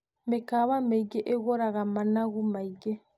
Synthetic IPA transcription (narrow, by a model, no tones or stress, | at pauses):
mekaβameiɡɛʔeɣɔɾaɣamanaɣumaiɡɛ